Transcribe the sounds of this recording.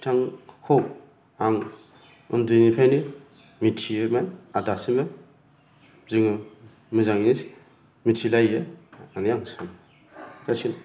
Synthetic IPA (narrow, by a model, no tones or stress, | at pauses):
tʰaŋkʰow | aŋ | ɯ̰ndɯnipʰajni | mitʰiemanadasima | ziŋɯ | mɯzaŋinis | mitʰilajeanijaŋsan | nasin